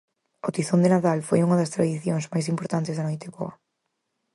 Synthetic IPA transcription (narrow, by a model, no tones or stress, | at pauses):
ot̪iθond̪enaðalfojuŋɐðɐst̪ɾaðiθjoŋzmajs̬impoɾt̪ant̪ɪzðɐnojt̪ɪβɔ̰ɐ